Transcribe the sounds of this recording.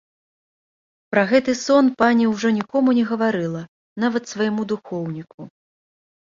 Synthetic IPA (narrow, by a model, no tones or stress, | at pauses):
pɾɐɣɛt̪ɨsɔnpanʲiwʐɔnʲikɔmunʲɛɣɐvaɾɨlˠɐ | navɐt̪svɐjmud̪uxɔwnʲiku